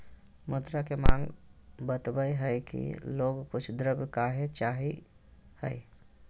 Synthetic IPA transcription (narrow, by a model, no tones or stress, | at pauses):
mʊd̪ɾakemãːŋɡbət̪bəjɦɛjkḭloːɡkʊt͡ʃʰd̪ɾəbkaːɦet͡ʃaːɦi | hɛ̰j